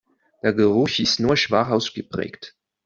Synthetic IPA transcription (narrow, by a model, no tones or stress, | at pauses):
d̥eːɐɡəʁʊçɪstnuːɐʃv̥aχaʊsɡ̥əpʁ̥ɛ̰ːkt